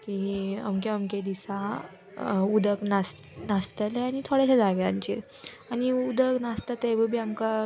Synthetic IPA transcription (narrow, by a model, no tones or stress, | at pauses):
kiə̰mk̬eəmked̪isa | ud̪əknast̪nast̪əleañit̪ʰoɽeɕad͡zaʋjaɲt͡ɕiɾ | añiud̪əknast̪at̪eʋəbʱiːamka